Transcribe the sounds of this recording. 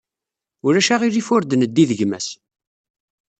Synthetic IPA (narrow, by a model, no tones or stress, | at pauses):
ʊɾæʃæʁiɾifʊɾd̪ənəd̪ːiðəʝmæ̰s